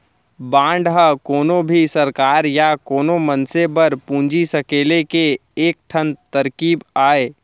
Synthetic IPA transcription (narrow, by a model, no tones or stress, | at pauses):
bãːɳɖɦəkoːnobʱisɐɾkaːɾjakoːnomɐnsebɐɾpũːɲd͡ʒisɐkeːlekeeːk̚ʈʰə̃nt̪ɐɾkiːbaːeː